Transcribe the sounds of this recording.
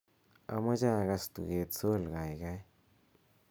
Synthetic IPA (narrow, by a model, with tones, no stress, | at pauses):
a̰˧ma˦d͡ʒa˦˨ɡa˧st̪ṵ˨ɡe˧t̪t͡so˦lɡa˨jɡa˦j